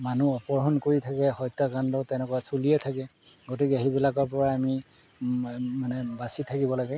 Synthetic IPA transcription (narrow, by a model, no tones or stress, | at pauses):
manuɔpɔɹɦɔnkoɹitʰakɛhɔjtːakandɔtɛnɛkɔwasuliɛtʰakɛ | ɡotikɛaɦibilakɔɹpɔɹaːmi | manɛbasitʰakibɔlaɡɛ